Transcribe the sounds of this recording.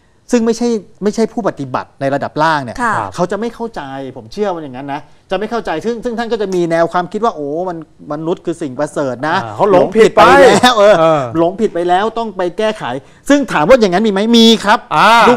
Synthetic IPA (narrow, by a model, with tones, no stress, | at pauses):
sɯ˥˩ŋma˥˩jt͡ɕʰa˥˩jma˥˩jt͡ɕʰa˥˩jpʰuː˥˩pa˨t̪i˨˩ba̰˨˩t̪̚na˧jɾa˧da˨˩p̚laː˥˩ŋni˥˩ɐ˩kʰa˦˥wt͡ɕa˨˩ʔma˥˩jkʰa˥˩wt͡ɕa˧jpʰo˩˦mt͡ɕʰɯ˥˩ɐwa˧ja˨˩ŋːa˦˥nːa˦˥t͡ɕa˨˩ma˥˩jkʰa˥˩wt͡ɕa˧jsɯ˥˩ŋsɯ˥˩ŋʰa˥˩nkɔː˥˩t͡ɕa˨˩miː˧nɛː˧wkʰwaː˧mkʰi˦˥t̪̚waː˥˩ʔoː˨˩ma˧nma˧nːu˦˥t̪̚kʰɯː˧si˨˩ŋpɾa˧sɤː˨˩t̪̚na˦˥˦lo˨˦ŋpʰi˨i˨˩t̪̚a˧jlɛː˦˥wʔɤː˧lo˨˩˦ŋpʰi˨˩t̪̚pa˧jlɛː˦˥wt̪ɔ˥˩ŋpa˧jkɛː˥˩kʰa̰˩˦j | sɯ˥˩ŋt̪ʰaː˩˦mwaː˥˩ja˨˩ŋːa˦˥nmiː˧ma˦˥jmiː˧kʰɾa˦˥p̚ʔa˧u˥˩